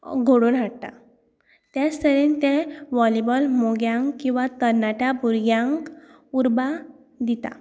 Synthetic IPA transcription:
ɡʱoɽuːnɦaɽt̪a̰ | t̪jat͡st̪əɾint̪ɛ̃ʋɔlibəlmoɡjãŋkːĩw̃ʋat̪əɾnaʈabʱuɾɡjãŋk | uɾba | d̪it̪a̰

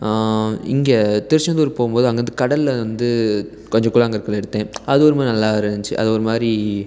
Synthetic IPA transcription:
ɪ̰ŋɡet̪ɪɾɯʂɐnd̪uːɾpoːɣɯmpoːðɯɐŋɡɐɾɯnd̪ɯkɐɽɐlʋɐnd̪ɯ | kɔɲd͡ʒɐ̃kuːlaːɐŋɡɐɪɾɯkːɐlɛɽɯt̪ːẽːɐðɯɔɾɯmaːɾinɐlːaːɪɾɐɲt͡ʃɯʔɐ̰ðɯɔɾɯmaːdɾi

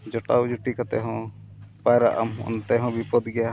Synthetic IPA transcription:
d͡ʒɔʈawd͡ʒuʈikat̪ɛ̰ɦɔ̃ | pajɾa̰ʔa̰mɔ̰nt̪ɛɦɔ̃bipɔd̪ɡɛa

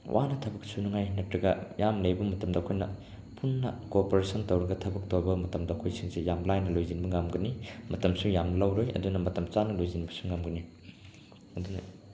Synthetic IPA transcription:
wʔa̰nɐtʰɐbɐksunɐŋajnɐk̚tɾɐɡɐjamlɐjbɐmɐtɐmdɐːkʰojnɐ̰ | pʰunːɐkoɾpoɾesʰɐntowɾɐɡɐtʰɐbɐk̚towbɐmɐtɐmdɐɐkʰojsiŋzejamlajnɐlojzinbɐŋamɡɐnimɐtɐmsujamɐlɐwɾojɐ̰dunɐmɐtɐmt͡ʃanɐlojzinibɐsuŋamɡɐni | ɐdunɐ̰

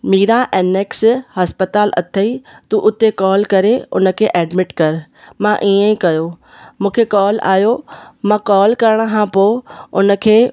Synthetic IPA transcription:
miːɾaʔeːneːkshɐspət̪aːlʔɐ̰t̪ʰəit̪uʔʊt̪ekɔːlkɐɾeʊ̰nə̆kʰeːʔeːɖmɪʈkɐɾ | mãʔiːə̃ĩkɐjo | mũːkʰekɔːla̰ːjomãːkɔːlkɐɾəɽ̃̆kʰãːpoːʊnə̆kʰeː

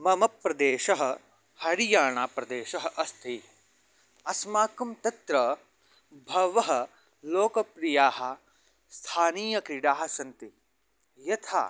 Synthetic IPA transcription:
mɐmɐpɾɐd̪eːʃɐɦɐ | hɐɾijaːɳaːpɾɐd̪eːʃɐɦɐʔɐst̪ʰi | ɐsmaːkɐmt̪ɐt̪ɾɐ | bʱɐʋɐɦɐ | loːkɐpɾijaːɦɐ̆ | st̪ʰaːniːjɐkɾiɖaːɦɐsɐnt̪i | jɐt̪ʰa̰ː

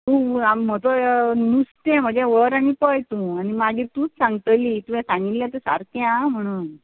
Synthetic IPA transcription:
t̪ũam̤ət̪ɔnust̪ɛ̃m̤əd͡ʑjãʋəɾanipəjt̪ũañimaɡiːɾt̪ũːt͡ssãŋɡt̪əliːt̪ujɛ̃sãŋɡilːjat̪esa̰ɾk̪jãm̤əɽ̃uːn

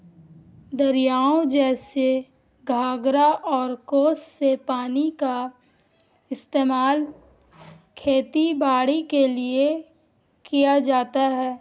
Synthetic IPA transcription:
d̪ɐɾijaːõd͡ʒɛːse | ɡʱaːɡɾaʔɔːɾkoːssepaːnika | ɪst̪eːmaːl | kʰeːt̪ibaːɽikelie | kijad͡ʒaːt̪aɦɛː

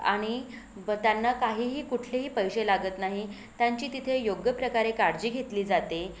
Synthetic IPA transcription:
a̰ɽ̃it̪janːakaɦiːɦiːkuʈʰleɦiːpəjɕelaɡət̪naɦi | t̪jaɲt͡ɕiːt̪it̪ʰejoɡjəpɾəkaɾekaɾd͡ʑiːɡʱet̪liːd͡zat̪e

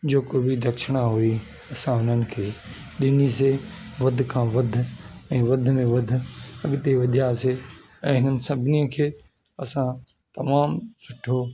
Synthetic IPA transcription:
d͡ʑoːkobid̪ʱɐkʃɪɽ̃ãɦui | ɐsãɦʊn̤ənɪ̆kʰeː | ɗɪniseʋɐd̪ʱkʰãːʋɐd̪ʱʊ̆ɛ̃ːʋɐd̪ʱmẽʋɐd̪ʱʊ̆ɐɠt̪eʋɐd̪ʱijase | ɛ̃ːɦɪnənɪ̆sɐbʱɪnijə̃kʰeː | ɐsã | t̪ɐmaːmsʊʈʰːo

